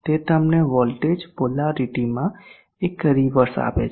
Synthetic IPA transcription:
t̪et̪əmneʋɔlʈed͡ʒpolaɾiʈimã | ekːəɾiʋəɾsa̰pḛt͡ʃ

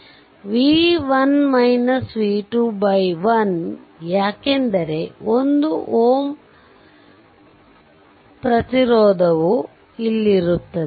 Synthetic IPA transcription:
ʋiːʋɐnmɐjnɐsʋiːʈubɐjʋɐnjaːkend̪ɐɾe̞ond̪uʔoːm | pɾɐt̪iɾɔːd̪ʱɐʋu | ilːiɾut̪ːɐd̪e

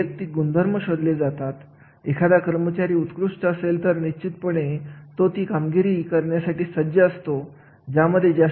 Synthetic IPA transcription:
ək̚t̪iɡund̪ʱəɾməɕod̪led͡zat̪at̪ | ekʰad̪akəɾmət͡ɕaɾiːut̪kɾuʂʈ̪əəselt̪əɾniɕt͡ɕit̪̚pəɽ̃et̪ot̪iːkamɡiɾiːkəɾɳjasaʈiːsəd͡ʑəəst̪o | d͡ʑaməd̪ʱːjed͡ʑa

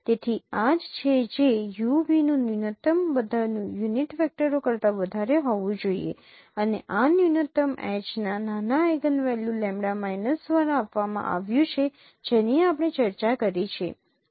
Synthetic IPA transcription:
t̪et̪ʰiad͡ʒt͡ʃʰed͡ʒejubinũnjunət̪əmbəd̪ʱanũjuniʈʋɛk̚ʈəɾokəɾt̪aʋəd̪ʱaɾeɦɔʋũd͡ʒoḭḛ | əneʔanjunət̪əmɛ̰t͡ʃnananaeɡənʋɛljulɛ̃mɽamajnəsd̪ʋaɾaːpʋamã̰ʔa̰ʋjũt͡ʃʰe | d͡ʒeniapəɽ̃et͡ʃəɾt͡ʃakəɾet͡ʃʰḛ

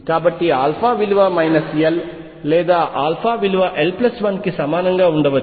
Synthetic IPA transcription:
kaːbɐʈːiaːlfaːʋɪlɯʋaːmɐɪnɐsjɐlː | eːd̪aːʔaːlfaːʋɪlɯʋaːʔɛlplɐsʋɐnkɯsɐmaːnɐŋɡaːʊɳɖɐʋɐ

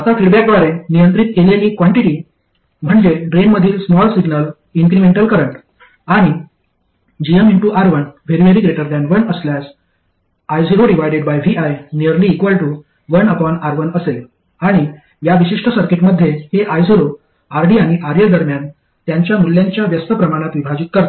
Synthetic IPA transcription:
at̪afiɽbak̚d̪ʋaɾenijənt̪ɾit̪keleliːkʋaɳʈiʈiː | m̤əɳd͡ʑeɖɾenməd̪ʱiːlsmɔlsiɡnəl | iŋkɾimeɳʈəlkəɾəɳʈ | aɽ̃i | d͡ʑiəmiɳʈuʔaɾʋənʋeɾiʋeɾiɡɾeʈəɾd̪ɛ̃nʋənəsljas | ajziɾoɖiʋajɖeɖbajʋiʔajnijəɾliːkʋəlʈu | ʋənəpɔnaɾʋənəsel | aɽ̃i | jaʋiɕiʂʈəsəɾkeʈməd̪ʱːjeheʔajsiɾo | aɾɖiːaɽ̃iʔaɾijəɾd̪əɾmjan | t̪jaɲt͡ɕjamulːjãɲt͡ɕjaʋjəst̪əpɾəmaɽ̃at̪ʋibʱad͡ʑit̪̚kəɾt̪o̥

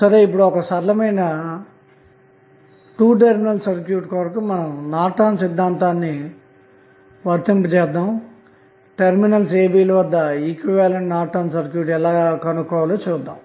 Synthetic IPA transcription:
sɐɾe̞ːipːuɽuɔkɐsɐɾɐlɐmɐjnɐ | ʈuːʈ̬eɾminɐlsɐɾkjuːʈkɔːɾɐkɐmmɐnɐmnaːʈaːnsid̪ʱːaːnt̪aːnːi | ʋɐɾt̪impɐt͡ʃɛːd̪ːaːm | ʈeɾminɐls̬eːbiːlɐʋɐd̪ːɐiːkʋiʋaːlɐɳʈnaːʈʰaːnsɐɾkjuːʈɛlaːkɐnukɔːʋɐloːt͡ʃuːd̪ːaːm

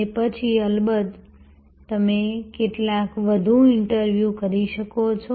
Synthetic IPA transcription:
epət͡ʃʰiəlbəd̪ | t̪əmekeʈlakʋəd̪ʱũɪɳʈəɾʋjukəɾiʃəkot͡ʃʰo

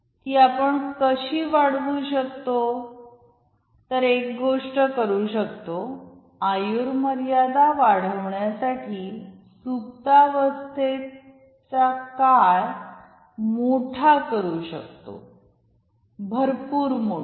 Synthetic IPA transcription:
t̪iːapəɳkəɕiːʋaɽʋuɕəkt̪o | t̪əɾek̚ɡoʂʈəkəɾuɕəkt̪o | ajuɾməɾjad̪aʋaɽ̤əʋɳjasaʈʰiː | sukt̪aʋəst̪e | t͡sakaj | moʈʰakəɾuɕəkt̪o̰ | bʱəɾpuːɾmo

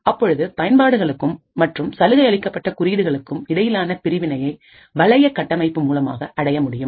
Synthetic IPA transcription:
ɐpːɔɻɯðɯpɐjɐnpaːɽɯɣɐɭɯkːɯmːɐʈrɯmsɐlɯɣɐɪɐɭɪkːɐpːɐʈːɐkʊɾiːðɯɣɐɭɯkːɯmɪɽɐjɪlaːnɐpɪɾɪʋɪnɐjɐɪ | ʋɐɭɐjɐkːɐʈːɐmɐɪpːɯmuːlɐma̰ːɣɐʔɐɽɐjɐmʊɽɪjɯm

